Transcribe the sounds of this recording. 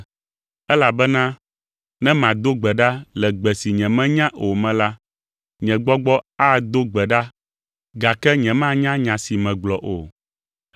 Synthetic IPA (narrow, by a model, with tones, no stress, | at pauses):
ɛ˦la˨bɛ˦nã˦ | nɛ̃˦mã˨d̪o˦ɡ͡bɛ˨ɖa˦lɛ˨ɡ͡bɛ˨si˨ɲɛ̃˨mɛ̃˦ɲã˦ʔo˨mɛ̃˨la˦ | ɲɛ̃˨ɡ͡bɔ˦ɡ͡bɔ˦a˦d̪o˦ɡ͡bɛ˨ɖa˦ | ɡa˨kɛ˦ɲɛ̃˨mã˦ɲã˦ɲã˨si˨mɛ̃˨ɡ͡blɔ˨ʔo̰˨